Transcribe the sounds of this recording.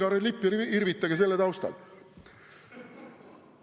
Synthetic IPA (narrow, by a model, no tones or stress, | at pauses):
ɑɾelipːˑjɑiɾvit̪ːˑɑɡes̬e̞lːet̪ɑwst̪ɑ̰l